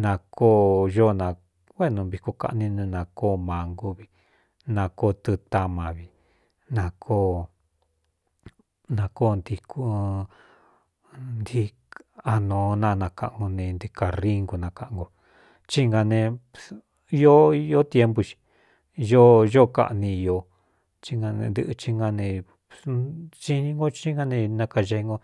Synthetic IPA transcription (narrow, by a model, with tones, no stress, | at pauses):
nã˧kʰo˦˨ʒo˦nã˨˧ | wʷe˦˨nũ˧βi˧ko˧ka̰˧ʔnĩ˧nẽ˧nã˧koː˦˨mã˨ŋɡu˧βi˨ | nã˧koː˦˨t̪ɨ˧t̪a˧mã˨βi˨ | nã˧˨kʰo˦˨ | nã˧koː˦˨˧nd̪i˧kʰu˦ | nd̪i˦ | a˧nõː˨˦nã˧nã˧ka˧ʔŋɡo˧nẽ˧nd̪i˧ka˧ri˦ŋɡu˧nã˧ka˧ʔŋɡo˧ | t͡ʃi˦ŋɡa˧nẽ˧ | i˦jo˦i˧jo˦t̪je˦mbu˧t͡ʃi̥˧ | jo˦ʒo˦ka̰˧ʔnĩ˧jo˧ | t͡ʃi˦ŋɡa˧nḛ̃˧nd̪ɨ̰˦ʔɨ˧t͡ʃi˦ŋɡa˧nẽ˧ | t͡ʃi˦nĩ˧ŋɡo˦t͡ʃi˦ŋɡa˧nẽ˧nã˧ka˧ʒe˧ŋɡo˧